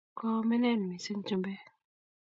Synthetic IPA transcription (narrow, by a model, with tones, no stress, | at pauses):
kɔ˦me˦nɛ˦˨n˨mi˨si˦n˦t͡ʃi˦mbɛ˦